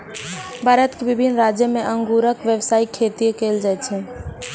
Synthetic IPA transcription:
bʱaːɾət̪kebɪbʱinɾad͡ʒjəmẽʔəŋɡuɾəkʋjəʋsaːikʰet̪iekeld͡ʒajt͡ʃʰɛ

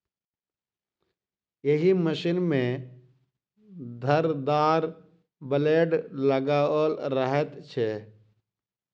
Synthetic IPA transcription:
jeɦiməʃinmẽ | d̪ʱəɾd̪aːɾ | bəleːɖləɡaəlɾəɦət̪t͡ʃʰe

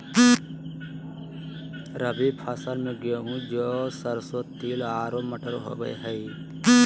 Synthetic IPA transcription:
ɾəbipʰasəɾmẽɡoɦũd͡ʒoːsəɾsot̪iːlaːɾomɐʈʰəɾoɦo̰ːɡə̰j̰ɦəi

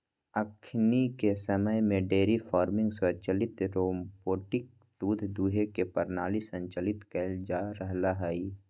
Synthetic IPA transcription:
əkʰnikesəməjmẽɖeːɾifʰɔːɾmɪ̃ŋɡswət͡ʃəlɪt̪ɾoːmboːʈɪk̚ | d̪uːd̪ʱd̪uːɦekepəɾnaːlisə̃ɲt͡ʃəlɪt̪kɛld͡ʒaːɾəɦlaɦɛi

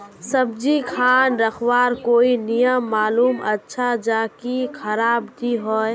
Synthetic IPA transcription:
səb̚d͡ʒikʰaːnɾəkʰwaːɾkoːinijəmːaːluːmə̰tːʃʰad͡ʒaːkikʰəɾaːbd̪iɦɔːe

